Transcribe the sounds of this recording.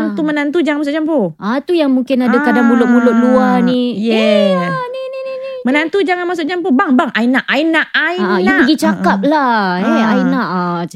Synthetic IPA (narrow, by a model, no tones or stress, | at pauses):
ŋt̪umənant̪̬ud͡ʒaŋãnmas̬ʊʔd͡ʒampoat̪ujaŋmuŋkɪnadakadaŋmulʊʔ̚mulʊʔ̪̚luanijɛ | nini | mənant̪ud͡ʒaŋanmas̬ʊʔd͡ʒamp̬obaŋbaŋʔainaʔʔainaʔainapəɡit͡ʃakap̚laɛainaʔa